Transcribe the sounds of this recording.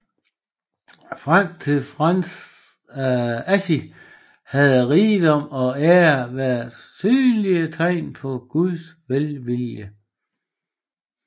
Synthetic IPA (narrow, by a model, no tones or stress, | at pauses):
fʁam̰t͡sʰe̝lfʁan | æɕi | hæð̞ˠʁiːd̥ɒ̽m̰ɒ̽æʋæɐðsyːliət͡sʰɑɪ̰npʰɒ̽ɡ̥uðˠsʋelʋiljə